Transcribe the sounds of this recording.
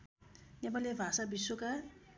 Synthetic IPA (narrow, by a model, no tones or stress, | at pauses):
nɛbalevasabisoka